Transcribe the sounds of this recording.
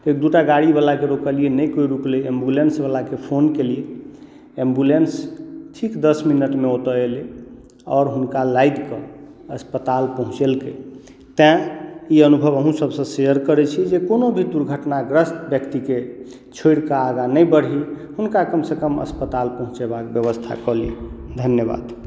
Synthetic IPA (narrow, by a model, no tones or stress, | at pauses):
ek̚d̪uʈaɡaɽibalakeɾokəlienəjkojɾukleembulensbalakepʰonkelie | embulensʈʰikd̪əsminəʈmeot̪əele | ɔːɾɦunkalajd̪ke | əspət̪alpəɦũt͡ʃelke | t̪ɛ̃iənubʱəβəɦũsəbsə̃sejəɾkəɾɛt͡ʃʰid͡ʒekonobʱid̪uɾɡʱəʈnaɡɾəst̪bjəkt̪ike | t͡ʃʰoiɽkaːɡanəjbəɽɦihunkakəmsekəmə̰spət̪alpəɦũt͡ʃebakbjəβəst̪ʰa̰kɔlied̪ʱənjəba̰d̪